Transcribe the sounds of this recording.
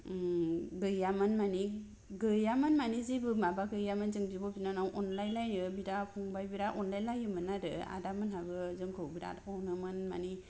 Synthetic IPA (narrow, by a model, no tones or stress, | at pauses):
ɡɯjamɯnmani | ɡɯjamanmanizibɯmabaɡɯjamɯnzɯŋbibɔbinanawʔɔnlajlajnɯbiɾapʰuŋbajbiɾaʔɔnlajlajɯmɯnaɾɯa̰damɯnɦabɯzɯŋkʰɯwbiɾa̰tɔwnɯmɯnma̰ni